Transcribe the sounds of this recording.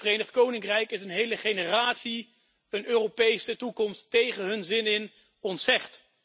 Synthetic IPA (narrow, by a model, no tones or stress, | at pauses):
fərejnəχt̚kownɪŋkrɛjkɪsənɦejləχejnəraːtsi | ənøːrowpejsətukɔmstːejχənɦɵnzɪnɪn | ɔntsɛχt